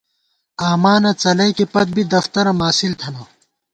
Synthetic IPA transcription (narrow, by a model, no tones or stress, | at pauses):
aːmaːnɐt͡sɐlɐjkipɐt̪̚bʱid̪ɐft̪ɐɾɐmaːsilt̪ʰɐnaː